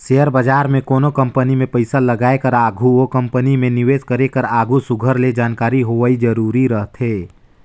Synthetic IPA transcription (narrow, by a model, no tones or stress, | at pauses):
seːəɾbad͡ʒaːɾmẽkoːnokə̃mpənimẽpəɪsaləɡaːekəɾaːɡʱuokə̃mpənimẽnɪʋeːskəɾekəɾaːɡʱusʊɡʱəɾled͡ʒaːnkaːɾiɦoaid͡ʒəɾuːɾiɾəɦt̪ʰɦeː